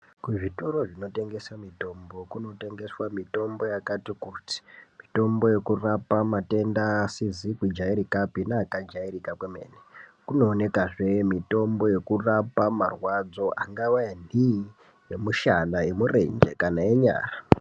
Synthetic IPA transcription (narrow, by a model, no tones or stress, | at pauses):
kuʐito̞ɾo̞ʐino̞te̞ŋɡe̞samito̞mbo̞kuno̞te̞ŋɡe̞swamito̞mbo̞jakatikuti̥mito̞mbo̞je̞kurapamate̞ndaːsizikwid͡ʒaiɾikapinaːkad͡ʒairikakweme̞̰ːnikuno̞ːne̞kaʐe̞mito̞mbo̞je̞kurapamarwad͡zo̞ʔaŋɡawaani | je̞muʃanaje̞murḛɲd͡ʒe̞̰kanaeɲa̰ːra